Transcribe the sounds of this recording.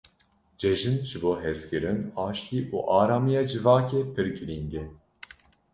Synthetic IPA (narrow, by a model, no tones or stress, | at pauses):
d͡ʒɛʒɨnʒɨboːɦɛskɨɾɨnɑːʃt̪iːʔṵːʔɑːɾaːmijɑːd͡ʒɨvɑːkeːpʰɨɾɡɨɾiŋɡɛ